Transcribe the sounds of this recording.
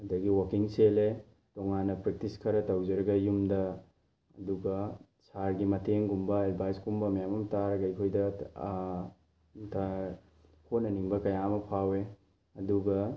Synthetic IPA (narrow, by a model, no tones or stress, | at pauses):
ɐdɐɡiwɐkiŋsele | tɔŋanːɐpɾɐk̚tiskʰɐɾɐtɐwd͡ʒɐɾɐɡɐjumdɐ | ɐduɡɐ | saɾɡimɐtʰeŋɡumbɐed̚bʱajskumbɐmɐjamɐmtaɾɐɡɐjkʰojdɐ | ta | hot̚nɐniŋbɐkɐjamɐpʰawe | ɐduɡɐ